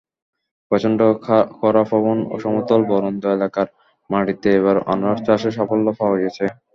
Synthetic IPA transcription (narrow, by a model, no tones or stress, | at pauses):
pɾɔt͡ɕʰonɳɖokʰɔɾafɔβono̰ʃɔmot̪olbɔɾond̪oelakaɾ | maɽit̪eeβaɾɔ̰naɾt͡ɕaʃeʃɔpolːofaɦoɡet͡ɕʰe